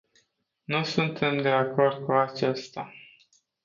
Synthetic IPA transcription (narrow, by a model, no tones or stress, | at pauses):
nusunt̪ʰe̞md̪e̞ako̞rd̪̚kuat͡ʃest̪a